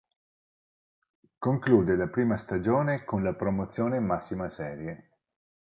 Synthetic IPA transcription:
koŋkluːd̪elapɾiːmast̪ad͡ʒoːnekonlapɾomot̪sːjoːnemasːimasɛːɾje

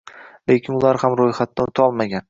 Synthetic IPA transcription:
le̞kʲʰɪnʊlˠaɾhamɾojχat̪̚ːaʊt̪ʰɒlˠmaɡʲan

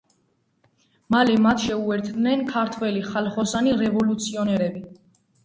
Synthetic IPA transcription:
malɛmat̪ʰʃɛuɛɾt̪ʰd̪nɛnkʰaɾt̪ʰwɛliχalχɔsaniɾɛvɔlut̪sʰiɔnɛɾɛbi

